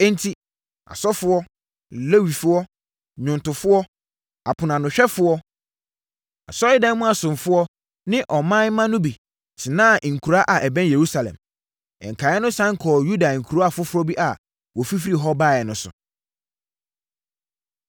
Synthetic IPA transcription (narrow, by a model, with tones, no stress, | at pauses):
ɛ˦n˦tʰi˦ | a̰˨sɔ˦fʊ˦ɔ˦˨ | le˦wi˨fʊ˦ɔ˦ | ɲʊ̃˨ntʊ˨fʊ˦ɔ˦ | a˨pʰʊ˨nã˨nʊ̃˨ɕᶣɛ˦fʊ˦ɔ˦ | a̰˨sɔ˦ɪ˦dã˦n˦mʊ̃˦a˨sʊ̃˨ɱ˨fʊ˦ɔ˦ | nɪ̃˦ʔɔ˨mã˦mːã˦nʊ̃˦bi˨ | tʰɪ˨nãː˦˨ŋ̩˨kʰu˨ɾa˦ʔa˨ʔɛ˨bɛ̃˦nje˨ɾu˦sa˨lɛ̰̃˨m | ɛ̰˨ŋ̩˨kʰa˨ɛ˦nʊ̃˦sã˦ŋ̩˦kʰɔː˨ju˦da˨ŋ̩˨kʰu˨ɾa˦a˦˨fʊ˦fʊ˦ɾɔ˦bi˦ʔa˨ | wɔ˨fi˦fɾi˦˨ɦɔ˦baː˦˨ɛ˨nʊ̃˦sʊ̰˨